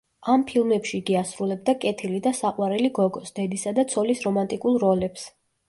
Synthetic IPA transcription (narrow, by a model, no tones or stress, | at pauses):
ampʰilˠmɛpʃiɡiasɾulɛb̚d̪akʼɛt̪ʰilid̪asaqʼwaɾɛliɡɔɡɔsd̪̥ɛd̪isad̪at̪sʰɔlisɾɔmant̪ʼikʼulˠɾɔlɛps